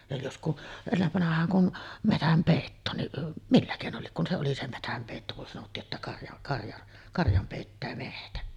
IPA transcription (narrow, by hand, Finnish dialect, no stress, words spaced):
jɑ jos ku enːeʋːɑnɑhˑɑːŋ kun metæmpeˑitːoːnːiʔ milːæ keˑinol liek kun se oli se metæmpeˑitːo kun sɑnotːiːʔ ʔetːæ kɑrjɑʔ kɑrjɑʔ kɑrjɑm peˑitːæː mehtæ